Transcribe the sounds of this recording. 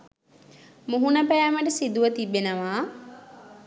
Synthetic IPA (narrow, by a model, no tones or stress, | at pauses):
muɦunəpæːməʈəsid̪uʋət̪ibːenəʋaː